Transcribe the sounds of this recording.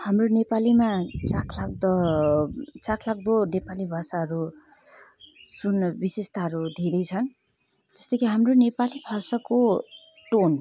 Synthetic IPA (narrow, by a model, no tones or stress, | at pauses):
hamronepalimat͡sakʰlak̚d̪ʌ | t͡sakʰlak̚d̪onepalibʱʌsaɦʌɾu | sunbisest̪aɦʌɾud̪ʱeɾʌjt͡sʰʌn | d͡zʌst̪ʌkʰiɦamronepalibʱʌsʌko | ʈon